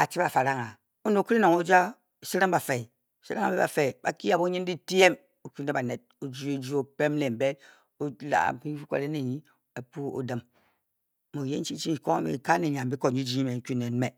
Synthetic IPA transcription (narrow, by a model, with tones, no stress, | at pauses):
a˨t͡ʃi˦ba˨fa˨ɾa˦ŋa˨ | o˦no˨ki˦ɾi˦no˨ŋo˦d͡ʒa˦˨ | si˦ɾa˦mba˨fe˨ | si˦ɾa˦ŋa˨bɛ˦ba̰˨fe˨ba̰˨ki˦a˨bo˦ɲi˦n˦di˦ti˦je˦m | o˨ku˦ne˦ba˨ne˨t̚o˨d͡ʒi˦o˦d͡ʒi˦o˦pe˦m˦le˨m˨be˦ | o˦la̰˨ki˦kʷo̰˨le˦ne˨ɲi˦ | e˨pu˦o̰˨də˨m | mo˨je˦n̩˦t͡ʃi˦t͡ʃi˦˨ko˦mḭ˨ka˦ne˨ɲa˨m˨bi˦ko˨ɲi˦d͡ʒi˦i˦me˨˦ku˦ne˨n˦me˨